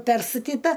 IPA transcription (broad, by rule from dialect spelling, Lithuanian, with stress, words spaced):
ˈpʲɛrstɐtʲɪtɐ